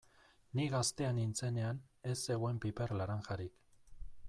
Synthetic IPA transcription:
niɣast̪e̞anint͡se̞ne̞ane̞sːe̞ɣoe̞mpipe̞ɾlaɾaŋxaɾik

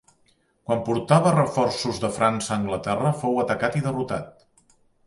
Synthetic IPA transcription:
kwampuɾt̪aβərəfɔrsuzðəfɾʔansəːŋɡlət̪ɛrəfowət̪əkat̪iðərut̪a̰t̪̚

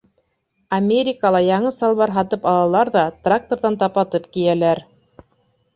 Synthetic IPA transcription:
amʲeɾʲikalˠɑjɑɴɤsɑlˠβɑɾɦɑt̪ɤpɑlˠɑlˠɑɾðɑt̪rak̚t̪oɾðɑnt̪ɑpɑt̪ɤpkijælæɾ

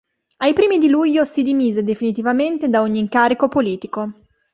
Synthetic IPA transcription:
ajpɾiːmid̪iluʎːosid̪imiːzed̪efinit̪ivament̪ed̪aoɲːiːŋkaːɾikopoliːt̪iko

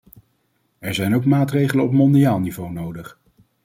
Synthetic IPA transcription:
ɛɹzɛjnowkmaːtrejχələnɔpmɔndiaːlˠnivownowdəχ

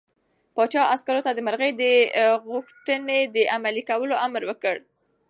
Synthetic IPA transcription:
pɑt͡ʃɑʔaskaɾot̪ad̪əməɾɣəjd̪əɣuxt̪əned̪əʔamalikawəloʔamɾwəkəɽ

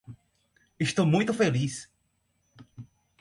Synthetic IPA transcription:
ɪst̪owmũj̃t̪ʊfelis

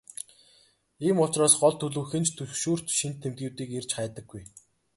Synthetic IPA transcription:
iːmʊt͡ɕraːsɢɔɮt̪ʰːɵɮuːxɘ̆nt͡ɕt̪ʰɵʃuːr̥t̪ʃint̪ʰːemt̪̚ɡĭːwt̪iːkert͡ɕχaːt̪ə̆ɡːuj

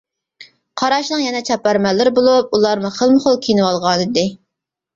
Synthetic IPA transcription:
qʰɑɾɑʃnɨŋjɛnɛt͡ʃʰɑpːæɾmɛlːɪɾɪbolˠup̚ulˠɑɾmuχəlˠmɨχolˠkʲʰinɨwɑlˠʁɑnɨd̪ɪ

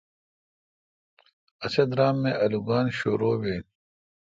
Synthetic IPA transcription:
ɐsɐd̪ɾaːmːẽʔɐluɡaːnɕoɾoːweːn

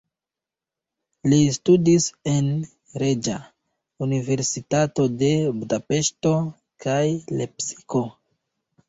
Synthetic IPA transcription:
listudise̞n | ɾe̞d͡ʒa | unive̞ɾsitato̞de̞budape̞ʃto̞ | kʰajle̞psi̥ko̞

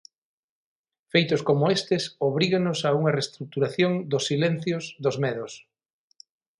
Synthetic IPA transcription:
fejt̪ʊskomʊest̪ɪsoβ̞ɾiɣɐnʊsauŋɐrest̪ɾuk̚t̪uɾaθjoŋd̪ʊsːilen̟θjosðozmeðʊs

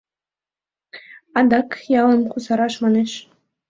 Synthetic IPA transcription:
ɑd̪ɑkjɑlˠɤ̆mχuzɑɾɑʂmɑnɘ̆ʃ

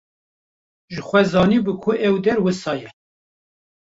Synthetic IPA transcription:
ʒɨxʷɛzɑːniːbɨkʰʊʔɛwd̪ɛɾwɨsɑːjɛ

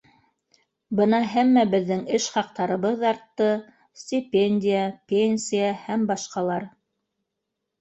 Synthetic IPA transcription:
bɤnɑɦæmːæbɘ̆ðːɘŋɘʃχɑq̚t̪ɑɾɤ̆βɤðɑɾt̪ːɤ | sʲt̪ʲipʲenʲdʲɪjəpʲenʲsʲijahæmbɑʃqɑlˠɑɾ

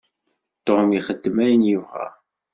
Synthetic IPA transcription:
t̪ːoʁəmiχəd̪ːəmæjənjuvʁæ̰

